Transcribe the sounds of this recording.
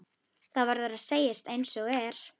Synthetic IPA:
θavaɾðɛɾaðseːjɪst̪ejnsɔɣɛɾ̥

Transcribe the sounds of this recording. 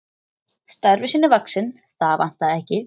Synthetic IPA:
st̪aɾvɪsiːnːʏvaksɪn | θaðvan̥t̪aðɪɛhcɪ

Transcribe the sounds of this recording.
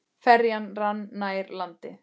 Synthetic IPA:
fɛɾjanranːaːjɾlant̪ɪ

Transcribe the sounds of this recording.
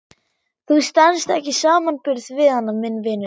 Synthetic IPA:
θust̪ɛnst̪ɛ̰hcɪsaːmanpɪɾθvɪðhanːamɪnːvɪːnʏ

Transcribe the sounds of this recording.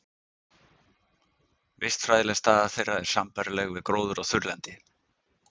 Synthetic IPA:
vɪst̪fɾajðɪlɛst̪aːðaθejrːaðɛɾ̥sampaɾɪlɛɣvɪðkɾoːwðʏɾaɣθʏɾlɛnt̪ɪ

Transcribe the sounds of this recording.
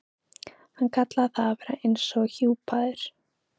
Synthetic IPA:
hankʰat̪laθaːvɛːɾa̰ejnsɔɣçuːpaðɪɾ̥

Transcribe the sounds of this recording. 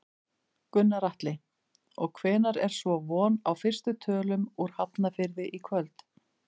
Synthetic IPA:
kʏnːaɾaht̪lɪ | ɔɣkʰvɛːnaɾɛɾ̥svɔvɔːnawfɪr̥st̪ʏt̪ʰœːlʏmuɾ̥hapnafɪɾðɪʔikʰvœlt̪

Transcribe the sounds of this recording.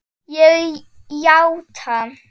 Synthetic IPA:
jə | jawtʰa

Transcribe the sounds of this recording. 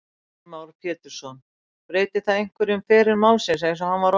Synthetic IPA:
mawɾpʰjɛːt̪ʏɾ̥sɔn | pɾeːjt̪ɪθaðejŋ̥kvɛɾɪʏmfɛːɾɪɾmawlsɛsajɪs̬ɔhanvaɾ

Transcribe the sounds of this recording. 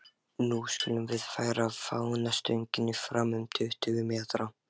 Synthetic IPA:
nuskʏːlʏmvɪðfaːjɾavfawnast̪œɥɲcɪnːɪfɾaːmʏmt̪ʰɪʏht̪ʏvʏmɛːtɾa

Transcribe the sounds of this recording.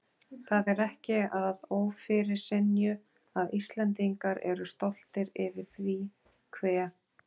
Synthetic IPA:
θaðɛɾɛhcɪaððoːwfɪɾɪɾ̥sɪnjʏ | aðist̪lɛnt̪̬iŋkaɾɛ̰ɾʏst̪ol̥t̪ɪɾɪvɪɾ̥θvi | kʰvɛː

